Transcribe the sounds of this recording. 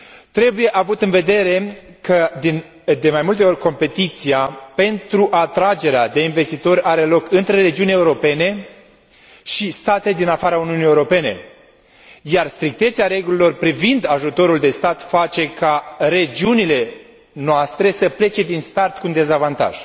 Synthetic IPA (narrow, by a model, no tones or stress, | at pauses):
t̪ɾe̞buje̞ʔavut̪ɨnve̞d̪e̞ɾe̞kʰəd̪in | d̪e̞majmult̪e̞o̞rʲko̞mpe̞t̪it̪siape̞nt̪ɾuʔat̪ɾad͡ʒe̞ɾead̪e̞inve̞st̪it̪o̞ɾʲaɾe̞lo̞kɨnt̪ɾe̞ɾe̞d͡ʒiunʲe̞uɾo̞pe̞ne̞ | ʃist̪at̪eed̪inafaɾauniunije̞uɾo̞pe̞ne̞ | jarst̪ɾik̚t̪e̞t̪seaɾe̞ɡulilo̞rpɾivind̪aʒut̪o̞ɾuld̪e̞st̪at̪fat͡ʃe̞kaɾe̞d͡ʒiunile̞ | noast̪ɾe̞səple̞t͡ʃe̞d̪inst̪art̪kund̪e̞zavant̪a̰ʒ̥